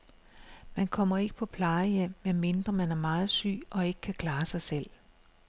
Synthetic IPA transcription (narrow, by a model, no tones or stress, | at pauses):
mænkʰɒ̽m̰ɐe̝ɡ̥əpʰɒ̽pʰlɑ̈ɪəjem̰ːenme̝nd̥ʁɐmænæɐmɑ̈ːð̩ˠsy̰ːʔɒ̽e̝ɡ̥ə̥kʰækʰl̥ɑ̈ːsɑ̈ɪsel̰